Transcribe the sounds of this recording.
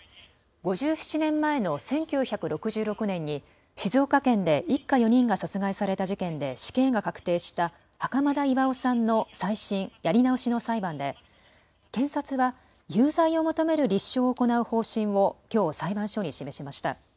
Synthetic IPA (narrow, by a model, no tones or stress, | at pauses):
ɡo̞ʑɨːɕi̥t͡ɕinẽ̞mːae̞no̞sẽ̞ŋkʲɨːçakɯ̟ɾo̞kɯ̟ʑɨːɾo̞kɯ̟nẽ̞ɲ̟ːi | ɕizo̞ːkakẽ̞nd̪e̞ʔikːajo̞ɲ̟ĩŋɡasat͡sɨɡaisaɾe̞t̪aʑikẽ̞nd̪e̞ɕi̥kẽ̞ŋɡakakɯ̟̥t̪e̞ːɕi̥t̪a | hakamad̪aiβaosãnːo̞saiɕĩɰ̃jaɾʲinaoɕino̞saibãnd̪e̞ | kẽ̞ɰ̃sat͡sɨβa | jɨːzaio̞mo̞t̪o̞me̞ɾɯ̟ɾʲiɕːo̞ːko̞naɯ̟ho̞ːɕĩɰ̃βo̞kʲo̞ːsaibãɰ̃ɕo̞ːɲ̟iɕime̞ɕimaɕi̥t̪a̰